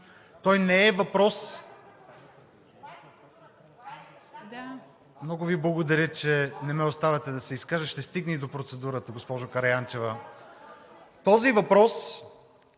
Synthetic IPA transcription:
t̪ɔjnɛɛvɐpɾɔs | mnɔɡʊviblˠɐɡod̪ɐɾʲjət͡ʃɛnɛmɛost̪avɐt̪ɛd̪ɐsɛiskaʒəʃt̪ɛst̪iɡnɛid̪opɾot̪sɛd̪uɾət̪əɡospɔʒokɐɾɐjant͡ʃɛvə | t̪ɔzivɐpɾɔs

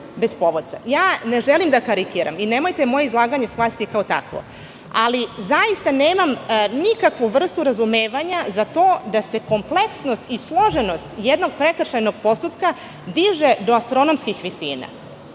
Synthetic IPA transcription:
be̞spo̞ʋod̪sa̰jaːne̞ʒelimd̪akaɾikiːɾa̰mine̞mo̞jt̪emojeizlˠaːɡaɲe̞sxʋat̪it̪ikaot̪a̰kʋo̰ | alizajist̪aneːmamnikakʋuʋr̩st̪uɾazumeːʋaɲazat̪o̞ːd̪ase̞ko̞mple̞ksno̞st̪islˠo̞ʒe̞no̞st̪jed̪no̞ɡ̥̚pɾe̞kr̩ʃajno̞ɡ̚po̞st̪upka | d̪iʒed̪o̞ast̪ɾo̞nomskixʋisḭːna̰

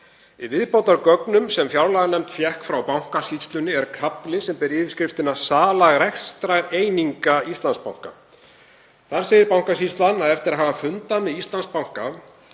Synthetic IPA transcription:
ɪvɪðpowt̪aɾkœknʏmsɛmfjawlaɣanɛmt̪fjɛhkfɾawpawŋ̥kasist̪lʏnːɪɛɾkʰaplɪsɛmpɛɾɪːv̥skɾɪft̪ɪnasaːlaɣɾɛxst̪ɾaɣeːjniŋkaist̪lanspawŋ̥ka̰ | θaɾ̥sejɪɾpawŋkasist̪lanːaðɛft̪ɪɾaɦaːvafʏnt̪anːɪist̪lanspawŋ̥ka

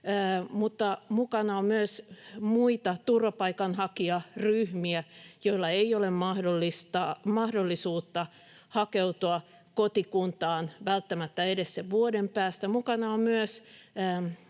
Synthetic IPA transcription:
mut̪ːɑmukɑnɑommyøsmuit̪ɑt̪urʋɑpɑikɑnhɑkiɑryhmiæjoilːɑeiolemmɑhdolːist̪ɑmɑhdolːisuːt̪ːɑ | hɑkeut̪uɑ | kot̪ikunt̪ɑːnʋælt̪ːæmæt̪ːæedesːeʋʋuodempæːst̪æmukɑnɑommyøs

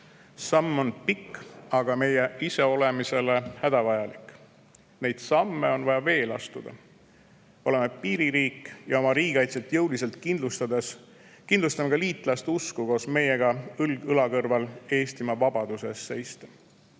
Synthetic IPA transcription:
sɑmːo̞npikːɑɡ̥ɑme̞jeise̞o̞le̞mise̞le̞hæd̪̥ɑvɑjɑlikːˑ | ne̞jd̪̥sɑmːe̞o̞nvɑjɑve̞ːlɑ̰st̪ud̪̥ɑ̰ | o̞le̞me̞piːɾiɾiːkːˑjɑo̞mɑɾiːɡɑjt̪se̞lt̪jɤwlise̞lt̪̚kind̪lust̪ɑd̪es | kind̪lust̪ɑmekɑliːt̪ˑlɑst̪uskuko̞ːsme̞je̞ɡ̥ɑɯlɡɯlɑkɤrvɑle̞ːst̪imɑvɑbɑd̪̥use̞sːe̞jst̪e

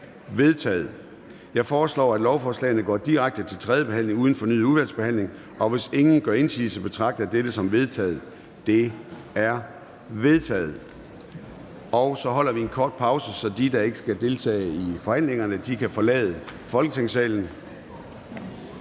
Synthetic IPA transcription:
ʋe̝ð̞ˠt͡sʰɛ̰ːð̩ˠ | jɑ̈ɪfɒːslɒ̰ːæd̥lɒʊfɒːslɛ̰ːɪnəɡ̥ɒ̰ːd̥iʁaɡ̥̚d̥ət͡sʰe̝lt͡sʰʁɛðˠjəb̥e̝hæn̰le̝ŋuð̞ˠn̩fɒ̽ny̰ð̰ˠuðˠʋæɐd̥sb̥e̝hæn̰le̝ŋ | ʔɒ̽ʋe̝se̝ŋn̩ɡ̥ɶɐe̝nsḭːsəb̥e̝t͡sʰʁɑ̈ɡ̥̚d̥ɐd̥edəsɒ̽mʋe̝ð̞ˠt͡sʰɛ̰ːð̩ˠ | d̥e̝ | æɐ | ʋe̝ð̞ˠt͡sʰɛ̰ːð̞̩ˠ | ɒ̽ʊsɒ̽ɦɒ̽l̰ɐʋienkʰɒːd̥̚pʰɑ̈ʊsəsɒ̽d̥id̥ɑ̈e̝ɡ̥əsɡ̥æd̥e̝lt͡sʰɛ̰ːifɒ̽hæn̰le̝ŋɐnəd̥ikʰæfɒ̽lɛ̰ːð̞ˠəfɒ̽lɡ̥ə̥t͡sʰeŋsɛ̰ːln̩

